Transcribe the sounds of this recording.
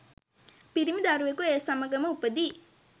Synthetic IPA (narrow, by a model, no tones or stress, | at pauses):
piɾimid̪ɐɾuʋekueːsɐməɡɐməupəd̪i